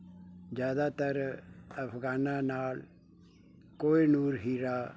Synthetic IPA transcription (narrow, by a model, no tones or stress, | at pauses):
d͡ʒjaːd̪aːt̪əɾəpʰɡaːnãːnaːl | koːinuːɾɦiːɾaː